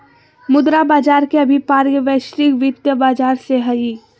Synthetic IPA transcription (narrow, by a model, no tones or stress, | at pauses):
mʊd̪ɾabaːd͡ʒaːɾkeɐbʱipaːɾjəʋɛːʃɾɪkʋɪt̪jəbaːd͡ʒaːɾseɦɐi